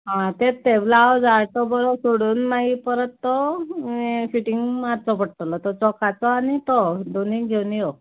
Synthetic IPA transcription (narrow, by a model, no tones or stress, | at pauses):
ɦãt̪et̪eblaːwd͡zaɾt̪ɔbɔɾɔsoɽuːnːaɦipəɾət̪ːɔefiʈiŋɡmad̪t͡sɔpəɽʈ̪əlɔt̪ɔt͡sɔkat͡sɔanit̪ɔd̪oniɡʱewniɔ